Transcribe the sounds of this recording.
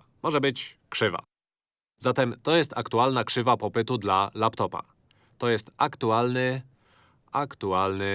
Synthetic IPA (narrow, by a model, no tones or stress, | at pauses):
mɔʐɛbɘt͡ɕkʂɘva̰ | zat̪ɛmt̪ɔjɛst̪akt̪ualnakʂɘvapɔpɘt̪ud̪lalapt̪ɔpa̰ | t̪ɔjɛst̪akt̪ualnɘ | akt̪ualnɘ